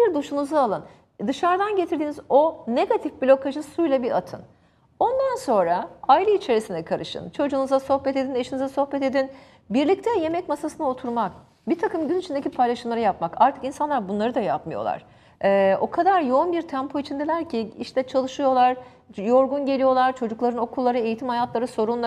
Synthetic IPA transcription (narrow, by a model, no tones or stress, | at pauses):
biɾd̪uʃunuzaːlˠɯn | d̪ɯʃaɾd̪anɟe̞t̪ʰiɾd̪iːnizo̞ne̞ɡat̪ʰifbilʲo̞kʰaʒɯsujlˠabiɾat̪ʰɯn | o̞nd̪anso̞nɾaailʲˠɯit͡ʃʰe̞ɾisind̪ɛkʰaɾɯʃɯ̰nt͡ʃʰo̞d͡ʒuːnuzaso̞hbɛt̪e̞d̪ineʃinizaso̞hbɛt̪e̞d̪in | biɾlʲic̚t̪ʰɛje̞mɛcmasasɯnao̞t̪ʰuɾmak̚ | bit̪ʰakɯmɟynit͡ʃʰind̪ecʰipʰajlˠaʃɯmlˠaɾajapmakaɾt̪ʰɯ̥kinsanlˠaɾbunlˠaɾɯd̪ajapmɯjo̞̰lˠa̰ɾ̥ | ɛːo̞kʰad̪aɾjo̞unbiɾt̪ʰɛmpʰo̞it͡ʃʰind̪elʲæɾcʰiiʃt̪ʰɛt͡ʃʰalˠɯʃɯjo̞lˠaɾ | jo̞ɾɡunɟe̞lʲijo̞lˠaɾt͡ʃʰo̞d͡ʒuklˠaɾɯno̞kʰulˠːaɾɯe̞jit̪ʰimhajat̪lˠaɾɯso̞ɾunˠa